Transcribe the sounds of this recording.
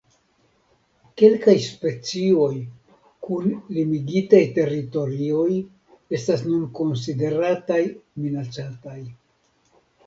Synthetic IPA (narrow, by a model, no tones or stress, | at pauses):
ke̞lkajspe̞t͡sio̞j | kunlimiɡitajte̞ɾito̞ɾio̞j | e̞stas̬nunko̞ns̬ide̞ɾatajminat͡sataj